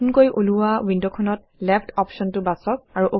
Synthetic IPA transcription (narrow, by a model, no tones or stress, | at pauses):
nkojʔoluwawindɔkʰɔnɔt̚ | lɛpʰtʰɔpʃɔntʊbasɔk̚aɹuʔo